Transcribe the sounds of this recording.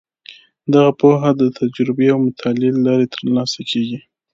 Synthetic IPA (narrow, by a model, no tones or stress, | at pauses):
d̪aɣapoɦad̪ət̪ʰad͡ʒɾɪbeawmʊt̪ʰɑlellɑɾet̪əɾlɑsakʰeɡi